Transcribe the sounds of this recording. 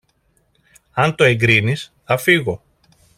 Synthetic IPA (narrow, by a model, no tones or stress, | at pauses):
ɐnt̪o̞e̞ŋɡɾinisθɐfiɣo̞